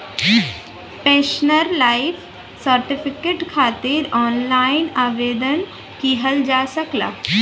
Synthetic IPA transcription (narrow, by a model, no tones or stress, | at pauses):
peːʃnəɾlaːɪfʰ | səɾʈɪpʰɪkeːʈkʰaːt̪ɪɾɔːnlaːɪnaːʋeːd̪ən | kiɦəld͡ʒaːsɐkla̰ː